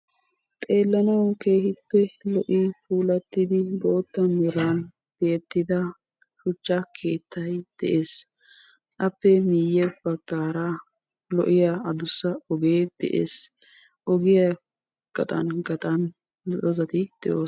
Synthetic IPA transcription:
t̪ʼe̞ːlːɐnɐwke̞ːhɪpːɛlɔʔɪfuːlɐt̪ːɪd̪ɪbo̞ːt̪ːɐnɔɾan | t̪ɪjɛt̪ːɪd̪ɐ | ʃʊt͡ʃːɐkʰe̞ːt̪ʰːɐjd̪̥ɛʔe̞ːs | ʔɐpːɛmiːjɛb̥ɐɡːaːɾa | lɔ̰ʔɪjaɐd̪ʊsːɐɔɡeːd̪̥ɛ̰ʔḛːs | ʔɔɡɪjɐ | ɡ̥ɐ̰t̪ʼɐ̰nɡɐt̪ʼɐn | dɔzɐt̪ɪd̪̥ɛʔoː

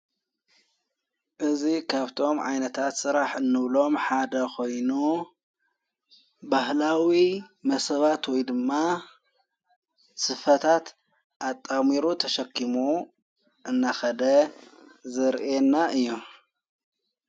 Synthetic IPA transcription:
ʔɨzikʰaβt̪ʰo̞mʕa̰jnɐt̪ʰat̪sɨɾaħɨnːɨβlo̞mħad̪ɐkʰo̞jnu | bahlawimɐsɐβat̪wɔjd̪ɨmːa | sɨfɐt̪ʰat̪ | ʔat̪ʼːamiɾut̪ʰɐʃɐkʰːimu | ʔɨnːaxɐd̪ɐ | zɐɾʔenːaʔɨjːu

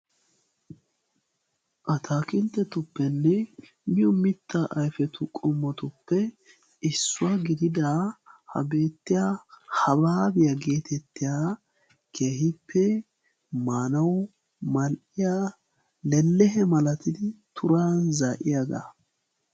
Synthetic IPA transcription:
ʔɐt̪ʰaːkɪnt̪ːɛt̪ʊpːɛnːɛ | mɪjɔmɪt̪ʰːaʔɐjfɛt̪ʊkʼɔmːɔt̪ʊpːɛ | ɪsːʊwaɡɪd̪ɪd̪ahɐ̰be̞ːt̪ːɪjahɐbaːbɪjɐɡe̞ːt̪ɛt̪ːɪjaː | kʰeːɦɪpʰːɛ | maːnɐw | mɐlʔɪja | lɛlːɛɦɛmɐlɐt̪ɪd̪ɪt̪ʰʊɾaːnzaːʔɪjaːɡ̪a̰

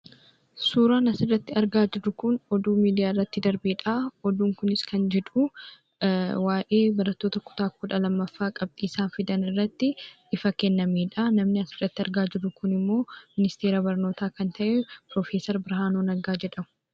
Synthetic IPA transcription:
suːɾaːnɐsɪrɐt̪ːɪɐɾɡaːd͡ʒɪɾʊkʊnɔd̪uːmiːd̪ɪjaːɪrːɐt̪ːɪd̪ɐɾbeᶑaɔd̪uːŋkʊnɪskɐnd͡ʒɛᶑ̪u | waːʔeːbɐɾɐt̪ːo̞ːt̪ɐkʊ̥t̪aːkʊᶑɐlɐmːɐfːaːkʼɐb̚t̪ʼiːsaːnfɪd̪ɐnɪrːɐt̪ːɪ | ɪfɐkɛnːɐmeːᶑɐnɐmnɪɐsɪrɐt̪ːɪɐɾɡaːd͡ʒɪɾʊkʊnɪmːo̞ːmɪnɪst̪eːɾɐbɐɾno̞ːt̪aːkɐnt̪ʰɐʔɛpɾoːfeːsɐɾbɪɾɦaːnoːnɐɡaːd͡ʒɛᶑɐmʊ̥

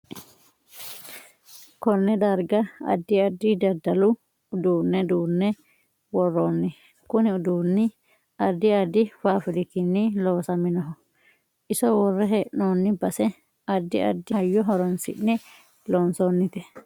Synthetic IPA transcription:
kɔnːɛd̪ɐɾɡɐɐ̰d̪ːɪɐd̪ːɪd̪ɐd̪ːɐlʊ | d̪uːnːɛd̪uːnːɛ | wɔrːoːnːɪ | kʊnɪʊd̪uːnːɪ | ɐd̪ːɪɐd̪ːɪfaːfɪɾɪkɪnːɪlo̞ːsɐmɪnɔɦɔ | ɪsɔwɔrːɛɦɛʔnoːnːɪbɐsɛ | ɐd̪ːɪ̰ʔɐ̰d̪ːɪhɐjːɔɦɔɾɔnsɪ̰nːɛ | loːnsoːnːɪt̪ɛ

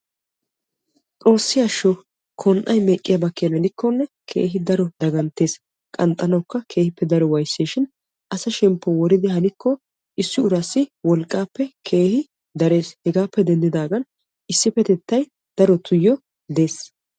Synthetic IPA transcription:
t͡sʼo̞ːsːɪjaʃɔ | kʰɔnʔɐjmeːkʼːɪjɐbɐkːɪjɐmɛnɪkːɔnːɛ | kʰe̞̰ːɦɪd̪ɐɾɔd̪ɐɡɐnt̪ːe̞ːs | kʼɐnt̪ʼːɐnɐwkːɐkʰe̞ːhɪpːɛd̪ɐɾɔwɐjsːeːʃɪn | ʔɐsɐʃɛmpːɔwɔɾɪd̪ɪɦɐnɪkːɔ | ʔɪsːɪʊɾɐsːɪwɔlkʼːaːpːɛkʰe̞ːhɪ | d̪ɐɾe̞ːshɛɡaːpːɛd̪ɛnd̪ɪd̪aːɡɐn | ʔɪsːɪfɛt̪ɛt̪ːɐj | d̪̥ɐɾɔt̪ʰʊjːɔ | d̪e̞ːs

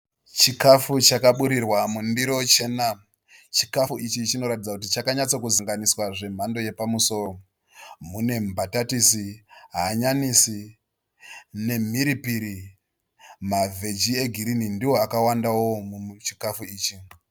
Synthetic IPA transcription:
t͡ʃikafut͡ʃakaɓuɾirwamundiɾo̞t͡ʃe̞ːna | t͡ʃi̥kafuit͡ʃit͡ʃino̞ɾatid͡zakutit͡ʃakaɲat͡sokuziŋɡaniswaʐe̞m̤ando̞je̞pamuso̞ːro | mune̞mbʱatatisiɦaːɲanisi | ne̞m̤iɾipiɾi | mave̞d͡ʒie̞ɡʱiɾinindiwo̞akawandawo̞mut͡ʃi̥kafuiːt͡ʃi

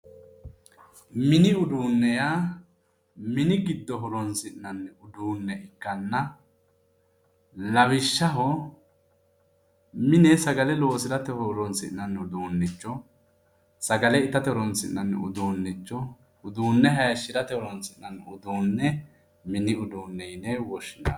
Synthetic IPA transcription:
mɪnɪʊd̪uːnːɛjaː | mɪnɪɡɪd̪ːɔɦɔɾɔnsɪʔnːɐnːɛʊd̪uːnːɛɪkːɐnːɐ | lɐβɪʃːɐɦɔ | mɪnɛsɐɡɐlɛloːsɪɾɐt̪ɛhɔɾɔnsɪ̰ʔnːɐnːɛʊd̪uːnːɪt͡ʃːɔ | sɐɡɐlɛɪt̪ːɐt̪ɛɾɔnsɪ̰nːɐnːɛ̰ʊ̰d̪uːnːɪt͡ʃːɔ | ʊd̪uːnːɛɦɐjʃːɪɾɐt̪ɛhɔɾɔnsɪnnːɐnːʊd̪uːnːɛ | mɪnɪʊd̪uːnːɛjnɛwɔʃɪna

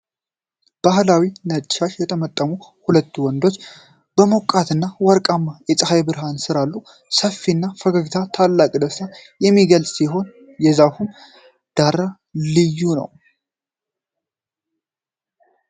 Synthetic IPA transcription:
b̥ahlawinət͡ʃʼːaʃjɛt̪ʰəmət̪ʼːəmuhulət̪ːuwɔnd̪o̞t͡ʃː | b̥əmokʼːat̪ʰɨnːawɔɾkʼamːajɛt͡sʼəhajbɨɾɦansɨɾalːu | səfːinːafəɡəɡt̪ʰat̪ʰalːakʼd̪əsajɛmːiɡəlsʼsiɦo̞n | jɛzahum | d̪̥aɾa | lɨjːunə̰w

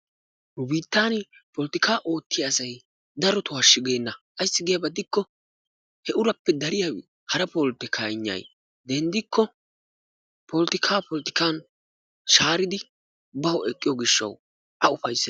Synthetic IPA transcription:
ʊbiːt̪ːaːnpɔlt̪ɪkʰaːʔo̞ːt̪ːɪjaːsɐj | d̪ɐɾɔt̪ʊaʃːɪɡeːnːɐʔɐjsːɪɡɛjɐbɐd̪ɪkːɔ | hɛʔʊɾɐpːɛd̪ɐɾɪjaw | hɐɾɐpɔlt̪ɪkʰajɲːɐ̰j | d̪ɛnd̪ɪkːɔ | pɔlt̪ɪkʰaːpɔlt̪ɪ̥kaːn | ʃaːɾɪd̪ɪ | bɐwɛkʼːɪjɔɡɪʃːɐ̰w | ʔɐʊfɐjsːɪ

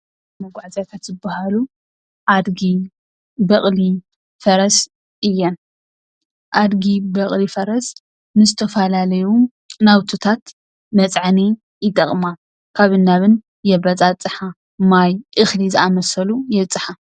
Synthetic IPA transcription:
mɐɡʷaʕzjat̪ʰat̪zɨbahalu | ʔad̪ɡi | bɐχʼli | fɐɾɐs | ʔɨjːɛn | ʔad̪ɡibɐχʼlifɐɾɐs | nɨzɨt̪ʰɐfɐlalɐju | nawt̪ʰot̪ʰat̪ | mɐt͡sʼʕni | jɪt̪ʼɐχʼma | kʰaβɨnːaβɨn | jɛbɐt͡sʼat͡sʼɨħa | majʔɨxlizɨamɐsɐlujɛt͡sʼːɨħa

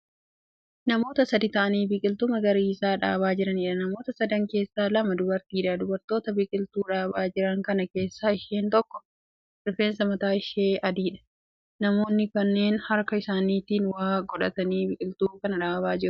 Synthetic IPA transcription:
nɐmo̞ːt̪ɐsɐd̪ɪt̪ɐʔɐniːbɪkʼɪlt̪ʊmɐɡɐɾiːsaːᶑa̰ːbaːd͡ʒɪɾɐniːᶑɐnɐmo̞ːt̪ɐsɐd̪ɐŋke̞ːsːaːlɐmɐd̪ʊbɐɾt̪iːᶑad̪ʊbɐɾt̪o̞ːt̪ɐbɪkʼɪlt̪uːᶑaːbaːd͡ʒɪɾɐŋkɐnɐke̞ːsːaːɪʃeːnt̪ɔkːɔ̥ | ɪɾfe̞ːnsɐmɐt̪aːɪʃeːʔɐd̪iːᶑɐ̥ | nɐmo̞ːnːɪkɐnːe̞ːnhɐɾkɐɪsaːniːt̪iːnwaːɡɔᶑɐ̰t̪ɐniːbɪkʼɪlt̪uːkɐnɐᶑaːbaːd͡ʒɪɾʊ

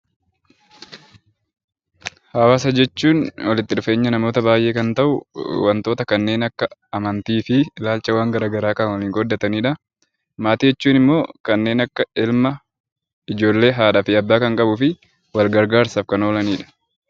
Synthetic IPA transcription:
haːwaːs̬ɐd͡ʒɛt͡ʃːuːnwɐlɪt̪ːɪᶑʊfe̞ːɲːɐnɐmo̞ːt̪ɐbaːjʔe̞ːkɐnt̪ɐʔʊwɐnt̪o̞ːt̪ɐkɐnːe̞ːnɐkːɐɐmɐnt̪iːfɪɪlaːlt͡ʃɐwaːŋɡɐɾaːɡɐɾaːkɐnwɐliːŋɡɔd̪ːɐt̪ɐniːᶑɐ | maːt̪iːjɛt͡ʃːuːnɪmːo̞ːkɐnːe̞ːnɐkːɐɪlmɐ | ɪd͡ʒo̞ːlːe̞ːɦaːᶑɐfɪɐbːaːkɐŋkʼɐbʊfɪ | wɐlɡɐɾɡaːɾsɐfkɐnoːlɐniːᶑɐ̥

